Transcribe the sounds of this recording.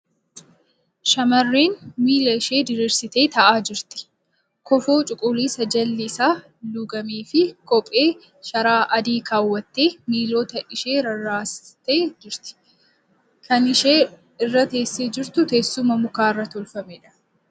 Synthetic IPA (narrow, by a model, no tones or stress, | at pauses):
ʃɐmɐrːiːnmiːlɐɪʃe̞ːd̪ɪɾiːɾsɪt̪e̞ːt̪ɐʔaːd͡ʒɪɾt̪ɪ̥ | kɔfo̞ːt͡ʃʼʊkʼʊːliːsɐd͡ʒɐlːɪːsaː | luɡɐmiːfɪkɔpʼeː | ʃɐɾaːʔɐd̪iːkaːwːɐt̪ːe̞ːmiːlo̞ːt̪ɐʔɪʃe̞ːɾɐraːst̪eːd͡ʒɪɾt̪ɪ̥ | kʰɐnɪʃeː | ɪrːɐt̪e̞ːsːeːd͡ʒɪɾt̪ʊt̪e̞ːsːʊmɐmʊkaːɪrːɐt̪ɔlfɐmɛᶑɐ̥